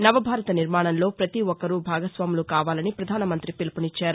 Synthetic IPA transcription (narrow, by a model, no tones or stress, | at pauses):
nɐʋɐbʱaːɾɐt̪ɐniɾmaːɳɐnlo̞ːpɾɐt̪iɔkːɐɾuːbʱaːɡɐsʋaːmulukaːʋaːlɐnipɾɐd̪ʱaːnɐmɐnt̪ɾipilpunit͡ʃːaːɾu